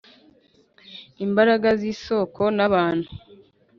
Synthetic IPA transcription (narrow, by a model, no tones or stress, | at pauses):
imbaɾaɡaziːso̞ːkʰo̞naβaːn̥hu